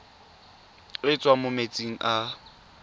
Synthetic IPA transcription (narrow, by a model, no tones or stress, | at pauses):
ɪt͡sʼwamʊmet͡sʼiŋ̩ʔa